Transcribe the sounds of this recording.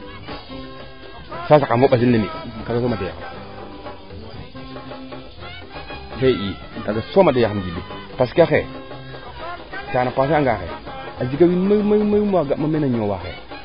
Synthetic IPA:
sas̬akavoɓazindamikaɡas̬omadaja̰xa̰m | saʔi | kaɡasomadajaamd͡ʒidu | tas̬kiaxe | tanapas̬aŋɡaxḛ | ad͡ʒiɡawinmamamaumaɡamamenaɲowaxḛ

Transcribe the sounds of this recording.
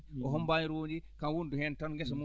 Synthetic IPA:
ɔɦɔmbaɲiɾod͡ʒikanwunduhɛntanŋɡɛsmu

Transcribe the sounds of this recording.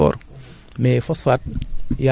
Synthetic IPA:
ɔ̰ɾ | mefɔsfat̚ja

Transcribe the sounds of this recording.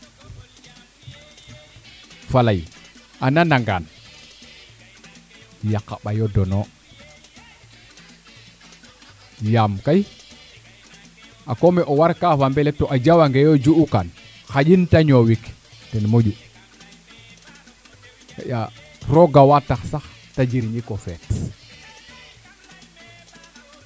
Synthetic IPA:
falajʔananaŋɡa̰n | jakːaɓajodɔno | jamkaj | akomɛʔowaɾkafambɛlɛtoʔad͡ʒawaŋɡejod͡ʒuukan | xad͡ʒintaɲowik | tɛnmod͡ʒu | ka̰ja | ɾoɡawataxsax | tad͡ʒiɾɲikofɛt

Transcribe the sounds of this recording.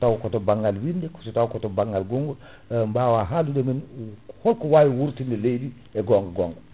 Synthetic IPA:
tawkɔtɔbaŋɡalwindɛkɔ̥sɔtawkɔtɔbaŋɡalɡɔŋɡɔ | mbaːwaɦalundɛminhɔlkɔwajiwuɾtindɛlejdi | ɛɡɔŋɡɔɡɔŋɡɔ

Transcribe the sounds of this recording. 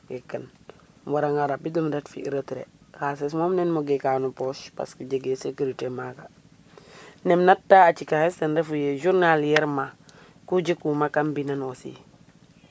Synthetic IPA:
wekːən | waɾaŋaɾabidumdetfḭɾətɾḛhases̬momnenmuɡekanupoʃpa̰skiɟeɡesekuɾitemaka | nemnatːaat͡ʃikahesendefujeʒuɾnaljɛɾma | kuɟikumakambinanosḭ

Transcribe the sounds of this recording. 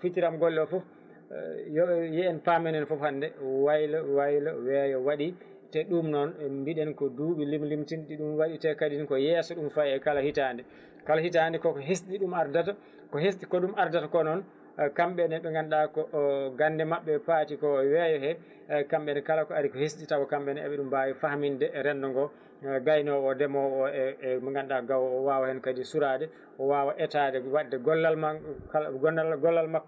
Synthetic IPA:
fitiɾamɡɔlːɔfṵ | jɔɓɛjɛːnpamɛnɛnfɔphandɛwajlawajlawɛjɔwaɗi | tɛɗumnɔnmbiɗɛnkɔduːɓilimlimtinɗiɗumwaɗitɛkadinkɔjɛsɔɗumfaɛkalahitandɛ | kalahitandɛkɔkɔɦesɗiɗumaɾdata | kɔɦes̬ɗikɔɗumaɾdatakɔnɔn | kamɓɛnɛɗɔŋɡanɗakɔɡandɛmaɓːɛpaːtikɔwɛjɔɦɛ | kamɓɛnɛkalakɔaɾikɔhesɗitawɔkamɓɛnɛa̰ɓɛɗumbawɛfahmindɛɾɛndɔŋɡɔ | ɡajnɔwɔdɛmɔɔɛmaŋɡanɗaɡawːwawahɛnkadisuɾadɛ | ʔɔwaːwaʔɛtadɛwaɗdɛɡɔlːalmakaɡnɡɔlːalmakː

